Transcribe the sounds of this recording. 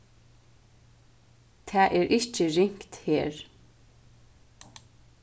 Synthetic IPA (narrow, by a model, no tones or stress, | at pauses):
t̪ʰæːʔɛːɹʔɪt͡ʃəɹɪŋ̥kt̪heːɹ